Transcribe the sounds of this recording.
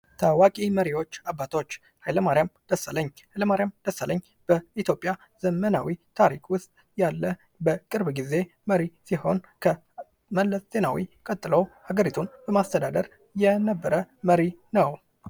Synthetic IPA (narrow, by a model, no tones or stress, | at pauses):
t̪ʰawakʼiməɾiwo̞t͡ʃːabːat̪ʰwot͡ʃː | hajləmaɾijamd̪̥əsaləɲːhajləmaɾijamd̪̥əsaləɲː | b̥əit̪ʰjo̞pʼːja | z̥əməna̰wit̪ʰaɾikʼwʊst̪ʼ | jalːə | bəkʼɨɾbɡize̞ | məɾisiho̞n | kʰə | məlːəsz̥e̞nawḭkʼət̪ʼːɨləwhaɡəɾit̪ʰunb̥əmast̪ʰəd̪ad̪əɾ | jɛnəbːəɾəməɾinəw